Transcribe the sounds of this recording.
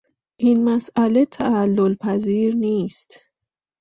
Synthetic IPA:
ʔinmæsʔælet̪ʰæːlːolpʰæziːɾniːst̪

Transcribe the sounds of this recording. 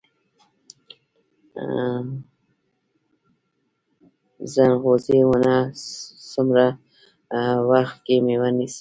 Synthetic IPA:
zanɣozewana | sʊmɾa | waxt̪̚kemewanis

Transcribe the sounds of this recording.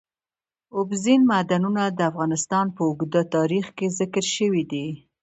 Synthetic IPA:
ʊbzinmad̪anunad̪əafɣɑnɪst̪ɑnpəʊɡd̪at̪ɑɾixkezɪkəɾʃəwid̪i

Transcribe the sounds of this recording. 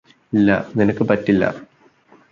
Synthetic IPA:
ilːɐ̰ninɐkːɨpɐtːilːɐ̰

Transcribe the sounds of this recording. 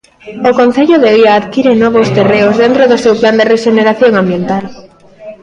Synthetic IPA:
okonθeʎoðeiaːðkiɾenɔβost̪ereʊzðent̪ɾoðʊsewpland̪ereʃeneɾaθjoŋãmbjent̪al

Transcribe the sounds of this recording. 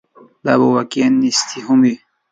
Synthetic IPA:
d̪abowakenːist̪ʰiɦumi

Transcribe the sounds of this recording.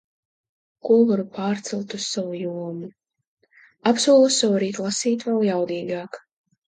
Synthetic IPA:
kuɔvaɾupaːɾt̪sɨlˠt̪ussavujuɔmu | apsuɔlˠusːavuɾiːt̪lˠasiːt̪vɛlˠjawd̪iːɡaːk

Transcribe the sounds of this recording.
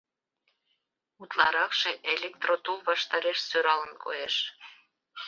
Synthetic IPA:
ut̪lɑɾɑkʃeʔelʲek̚t̪rot̪ulβɑʃt̪ɑɾeʃsøɾɑlənkʰo̰jeʃ

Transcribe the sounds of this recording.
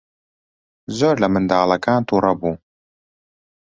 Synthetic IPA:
zoːɾlɐmɨnd̪aːlˠɐkaːnt̪ʰuːɾɐbuː

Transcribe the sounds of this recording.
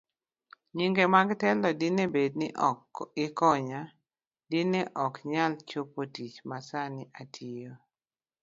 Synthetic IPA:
ɲiŋɡemaɡtɛlɔdɪnebed̚nɪʔɔkːɪkɔɲa | dɪneʔɔkɲalt͡ʃopotit͡ʃmasanɪʔatʰijo

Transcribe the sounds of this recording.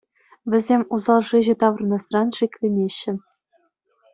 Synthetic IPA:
ʋʲɘ̆zʲemʲuzɑlˠʐiʑɘ̆t̪ɑʋɤ̆rnɑst̪rɑnʂikʲlʲĕnʲeɕːɘ̆

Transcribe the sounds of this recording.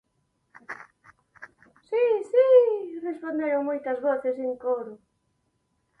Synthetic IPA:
sisirespond̪eɾomojt̪ɐzβoθeseŋkoɾʊ

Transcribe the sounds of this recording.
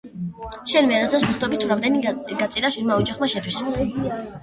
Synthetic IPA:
ʃɛnlmɛaɾɔsʰasmɛχd̪ɔɛbit̪ʰuɾamd̪ɛniɡat̪sʼiɾaʃilmaɔd͡ʒaχmaʃɛt̪ʰwis

